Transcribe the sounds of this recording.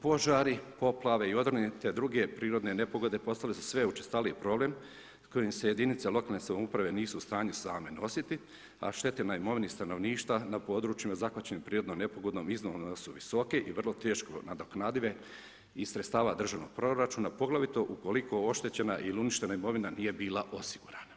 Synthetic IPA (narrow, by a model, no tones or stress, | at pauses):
po̞ʒaːɾipo̞plˠaʋe̞io̞d̪rnit̪ed̪ɾuɡe̞pɾiːɾo̞d̪ne̞ne̞po̞ɡo̞d̪e̞po̞st̪alesu̥sʋe̞ut͡ʃest̪aliepɾo̞ble̞m | sko̞jimseje̞d̪init̪selˠo̞kaːlnesamoupɾaʋe̞niːsuːst̪aːɲusaːme̞no̞sit̪i | a̰ʃt̪e̞t̪enaimo̞ʋinist̪ano̞ʋniːʃt̪ʋanapo̞ːd̪ɾuːt͡ʃjimazakʋat͡ɕe̞nimpɾiːɾod̪nomne̞po̞ɡo̞d̪noːmiznonosuʋiso̞ke̞ʔiʋr̩lˠo̞t̪e̞ːʃko̞̰nad̪oknaːd̪iʋe̞ | isɾet̪st̪aːʋad̪r̩ʒaʋnoɡ̚pɾo̞ɾat͡ʃuːnapo̞ɡlaʋit̪o̞ʔuko̞liko̞o̞ʃt̪et͡ɕe̞naʔiliuniʃt̪e̞naimo̞ʋinanije̞biːlˠaʔo̞siɡuɾana